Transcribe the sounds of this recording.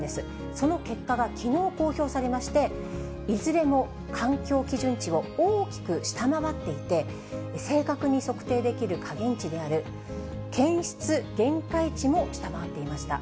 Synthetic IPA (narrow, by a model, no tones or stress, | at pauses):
d̪e̞sɨ | so̞no̞ke̞kːaɡakʲʰino̞ːko̞ːço̞ːsaɾe̞maɕi̥t̪e̞ | izɨɾe̞mo̞ | kʰãŋkʲo̞ːkʲiʑɨ̃ɲ̟t͡ɕio̞oːkʲi̥kɯ̟ɕi̥t̪amaβat̪ːe̞it̪e̞ | se̞ːkakɯ̟ɲ̟iso̞kɯ̟̥t̪e̞ːd̪e̞kʲiɾɯ̟kʰaɡẽ̞ɲ̟t͡ɕid̪e̞aɾɯ̟ | kẽ̞ɰ̃ɕi̥t͡sɨɡ̥ẽ̞ŋkait͡ɕimo̞ɕi̥t̪amaβat̪ːe̞imaɕi̥t̪a̰